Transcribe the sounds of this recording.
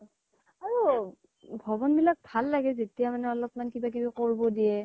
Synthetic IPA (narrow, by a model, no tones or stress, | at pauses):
aɹu | bʱɔbɔnbilak̚bʱalːaɡɛzetijamanɛɔlɔpmankibak̬ibakoɹbɔdijɛ